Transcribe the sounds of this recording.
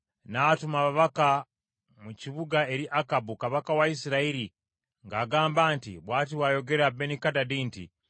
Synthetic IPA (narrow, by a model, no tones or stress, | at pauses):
natumaβaβaka | muciβuɡae̞ɾiʔakabukaβakawaisiɾaiɾi | ŋɡaːɡaːmbaːntḭβwaːtiwajo̞ɡeɾabenikadadiːntḭ